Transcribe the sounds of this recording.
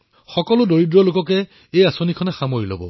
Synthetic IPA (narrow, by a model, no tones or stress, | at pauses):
xɔkɔlʊdoɹidɹɔlʊkɔkɛ | ejasonikʰɔnɛxamoɹilo̰bɔ̰